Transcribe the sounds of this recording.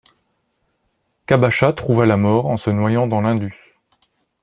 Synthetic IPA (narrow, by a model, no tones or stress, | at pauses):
kabaʃat̪χuvalamɔʁɑ̃sənwajɑ̃d̪ɑ̃lɛ̃d̪y